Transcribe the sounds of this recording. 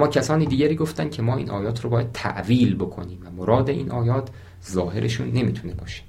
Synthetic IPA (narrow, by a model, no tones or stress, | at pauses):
mɒːcʰæsɒːniːd̪iːɟæɾiːɡo̞ft̪ænd̥̪cʰe̞mɒːḭːnʔɒːjɒːt̪ʰɾobɒːjæd̪̚t̪ʰæ̰ʔviːlbo̞kʰo̞̰niːmvæmoɾɒːd̪e̞ʔḭːnʔɒːjɒːt̪ʰ | zɒːhe̞ɾʔeʃṵːnːe̞miːt̪ʰunebɒːʃe̥